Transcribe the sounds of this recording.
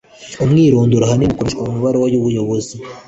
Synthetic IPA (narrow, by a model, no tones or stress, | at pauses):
umŋiːɾuːnduɾaɦanimukoɾeʃkwaumuβaɾewajuβujo̞βozi